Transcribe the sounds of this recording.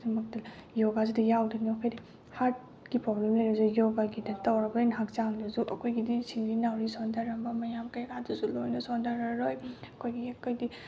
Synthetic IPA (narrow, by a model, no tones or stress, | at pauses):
dɐmɐk̚tɐjoɡazidɐjawdɐnikʰajdi | haɾt̚ | ɡipɾɔblemlajɾbzujoɡaɡidɐtɐwɾɐbɐinɦak̚t͡ʃaŋdɐzuʔɐkʰojɡidisʰiŋɾinawɾisondaɾɐmbɐmɐjamkajkʰaduzulojnɐsondaɾɐɾojɐkʰojɡiekojdi